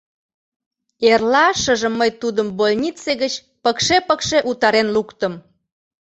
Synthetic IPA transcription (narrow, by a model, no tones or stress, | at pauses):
erlɑʃə̆ʒə̆mːəjt̪ud̪əmbolʲnʲit͡seɣət͡ɕ | pəkʃepəkʃeʔut̪ɑɾenlukt̪əm